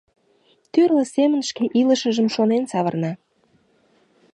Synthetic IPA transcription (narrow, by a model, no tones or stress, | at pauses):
t̪yrlə̆semənʃkeʔiləʃəʒəmʃonensɑβərnɑ